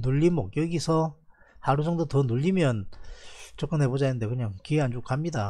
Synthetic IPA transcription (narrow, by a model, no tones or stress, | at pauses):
nuʎːimʌkjʌɡisʰʌ | haɾud͡ʑʌŋdotʌnuʎːimjʌn | t͡ɕʌk͈ɯnɦe̞bod͡ʑanɯnde̞kɯɲaŋkieand͡ʑok͈amɲida